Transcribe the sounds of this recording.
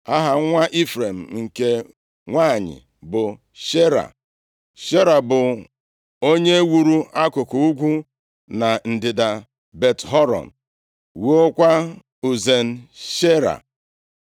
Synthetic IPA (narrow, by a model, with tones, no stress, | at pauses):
a˦ɦa˨˦ŋʷa˦ʔi˦fɾe˨m̩˨ŋ̩˨ke˦ | ŋʷa˦˨ɲɪ̰˨ | bʊ˨ | ʃe˦ɾa̰˨ | ʃe˦ɾa˨bʊ˨ | o˦ɲe˦wu˨ɾu˦a˦kʊ˨kʊ˨u˦ɡʷu˦ | na˨n̩˨dɪ˨da˨ | be˨tɦɔ˦ɾɔ̰˨n̩˨ | wu˦o˦kʷa˦ | u˨ze˨n̩˦˨ʃe˦ɾa̰˨